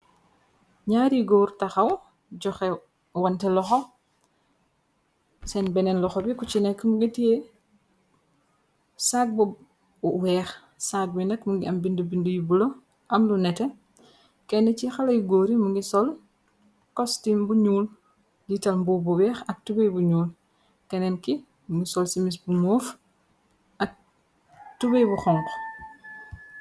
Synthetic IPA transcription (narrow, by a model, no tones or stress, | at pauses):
ɲaːɾiɡoɾtɐxaw | ɟɔxɛ | wantɛlɔxɔ | sɛnbɛnɛnlɔxɔbikut͡ʃinɛkːmuɡitije | sak̚bɔ | uwɛːx | sak̚binɐkmuŋɡiɐmbindubindujubulo | ʔɐmlunɛtɛ | kɛnɛcixɐlɐjɡoːɾimuŋɡisɔl | kɔstimbuɲuːl | ɟitɐlmbubuwɛːxɐk̚tubejbuɲuːl | kɛnɛnki | muŋɡisɔlsimisbumɔːf | ɐk̚ | tubɐjbuxɔŋk